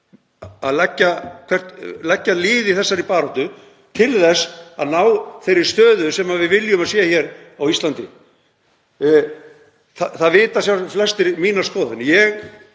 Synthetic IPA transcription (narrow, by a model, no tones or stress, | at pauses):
aðlɛcːakʰv̥ɛr̥t̪lɛcːalɪːðɪθɛsːaɾipaːɾɔht̪ʏ | t̪ʰɪlθɛsːa̰ðnaːwθejɾɪ̥st̪œːðʏsɛmavɪðvɪljʏmaðsɛːaçɛɾ | awist̪lant̪ɪ̰ | θaθaðvɪːt̪asjawflɛst̪ɪɾmiːnaskɔːðʏnɪjɛɣ